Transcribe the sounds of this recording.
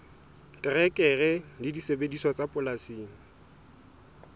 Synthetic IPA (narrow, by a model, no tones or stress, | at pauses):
kʼɪrɛkʼɛrɛlɪdisebediswɔt͡sʼapʼʊlasiːŋ̩